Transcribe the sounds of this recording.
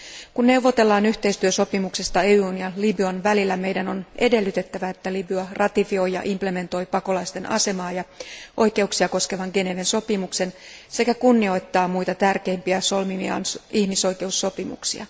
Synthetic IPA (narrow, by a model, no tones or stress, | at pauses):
kunːe̞wʋːo̞t̪e̞lːɑːnyçt̪e̞jst̪yøso̞pimuksest̪ɑeuːnjɑlibyɑnʋælilːæme̞jdæno̞ne̞de̞lːyt̪e̞t̪ːæʋæet̪ːælibyɑrʔɑt̪ifio̞jɑ̰ʔimple̞me̞nt̪o̞jpɑko̞lɑist̪enʔɑ̰se̞mɑːjɑʔo̞jke̞uksiɑko̞ske̞ʋɑŋɡe̞ne̞ʋenso̞pimukse̞nse̞kækunːio̞jt̪ːɑːmujt̪ɑt̪ærke̞ːmpiæso̞lmimiɑ̰nihmiso̞jke̞usːo̞pimṵksḭɑ̰